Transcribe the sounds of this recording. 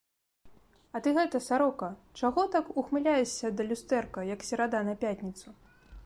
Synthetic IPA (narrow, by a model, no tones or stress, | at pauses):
ɐt̪ɨɣɛt̪ɐsaɾɔkɐt͡ʂaɣɔt̪akuxmɨlʲajɛsʲːɐd̪ɐlʲust̪ɛrkɐjɐksʲɛɾad̪anɐpʲat̪ʲnʲit̪su